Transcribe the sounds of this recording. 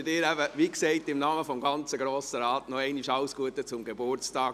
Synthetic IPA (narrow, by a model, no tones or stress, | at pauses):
dɪːɾæbəʋiksɛɪtɪmnɑməfɔmɡɑnt͡səɡɾoːsəɾɑːtnɔɛɪniʃɑʊsɡ̥uətət͡sʊmɡebʊrt͡stɑː